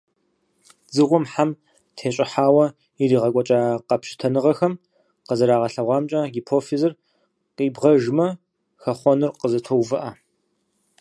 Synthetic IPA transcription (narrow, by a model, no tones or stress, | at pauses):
zɨʁʷʊmħam | tʰeːɕʼɪħaːwɐ | iɾiːʁɐkʷʼɔt͡ʃʼaːqɐpʃɪ̥tʰɐnɨʁɐxɐm | qəzɐɾaːʁɐɬɐʁʷɑːmt͡ʃʼɐɡipʰoːfizɨr | qiːbʁɐʒmɐ | xɐχʷɔnɨrqəzɐtʰowvɨʔɐ